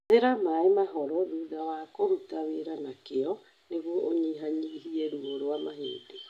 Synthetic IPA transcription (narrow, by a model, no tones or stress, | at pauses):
eɾamaemaɦɔɾɔðuðawakoɾutaβeɾanakeɔ | neɣwoʔoɲiɦaɲiɦiɛɾuoɾwamaɦḛːde